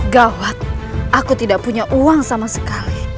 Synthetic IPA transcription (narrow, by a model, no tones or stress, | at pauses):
ɡawat̪̚akut̪idaʔ̚puɲaʔuaŋsamasə̥kali